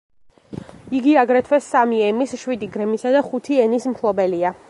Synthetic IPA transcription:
iɡiaɡɾɛt̪ʰwɛsːamiɛmisʃwid̪iɡɾɛmisad̪aχut̪ʰiɛnismpʰlˠɔbɛlia

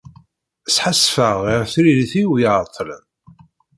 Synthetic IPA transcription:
sħasfəʁiʁθɾiliθiwjʕt̪ˤːlə̰n

